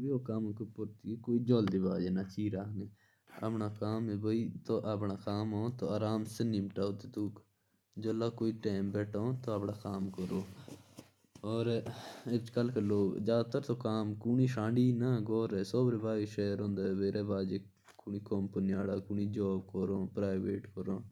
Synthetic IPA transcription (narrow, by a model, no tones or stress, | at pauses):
bioːkaːmːkepʊɾt̪iːkoːid͡ʒoːld̪iːbaːd͡ʒeːnaːt͡ʃiːɾaːneː | a̰pɳaːkaːmeːbəiːt̪oːʔapɳaːkaːmõːt̪oːaːɾaːmsəniːmʈaːot̪ed̪uːk | d͡ʒəlaːkoːiːʈeːmbɛːʈʰõːt̪oːapɳaːkaːmkəɾoː | ɔːɾɪt͡ʃkəlkeloːɡd͡ʒaːt̪əɾt̪oːkaːmkuniːʃãːɳɖiːnaːɡoːɾeːsoːbɾeːbaːd͡ʒiʃɛːɾɦõːnd̪aːeʋeːɾeːbaːd͡ʒeː | kʊniːkoːmpənijaːɽaːkuniːd͡ʒoːbkəɾoːpɾaːɪʋeːʈkəɾõː